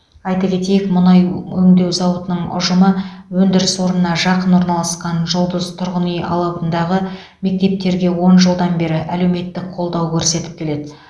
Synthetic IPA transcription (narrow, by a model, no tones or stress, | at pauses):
ɑjt̪ɑkʲʰe̞t̪e̞jɪkmʊnɑjɵŋd̪e̞wzɑwət̪ənəɴʊ̰ʒəməwɵnd̪ɪɾɪswo̞ɾənənɑʒɑqənwo̞ɾnɑlˠɑsqɑnʒʊlˠd̪əzt̪ʰʊɾʁənijɑ̰lˠɑənd̪ɑʁə | me̞k̚t̪e̞p̚t̪e̞ɾɡʲe̞wo̞nʒəlˠd̪ɑnbe̞ɾɪʔæle̞wme̞t̪ːɪk̚qʰo̞lˠd̪ɑwkʲʰɵɾse̞t̪ɪ̥p̚kʲʰe̞le̞d̪ɪ